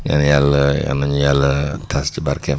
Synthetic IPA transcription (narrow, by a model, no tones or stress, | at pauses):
ŋa̰njaləa̰noɲəjalət̪ʰasd͡ʒəbaɾkɛ